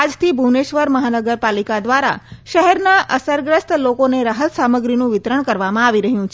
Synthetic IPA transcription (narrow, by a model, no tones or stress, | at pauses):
ad͡ʒt̪ʰibʱuneʃʋəɾməɦanəɡəɾpalikad̪ʋaɾa̰ʃəɦɛɾnaʔəsəɾɡɾəst̪lokoneɾaɦət̪saməɡɾinũʋɪt̪ɾəɳkəɾʋamãaʋiɾəɦjũt͡ʃʰ